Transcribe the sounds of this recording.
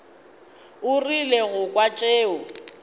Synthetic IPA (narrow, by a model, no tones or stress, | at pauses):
ʊrileɣʊkʼwat͡ʃʼeːʊ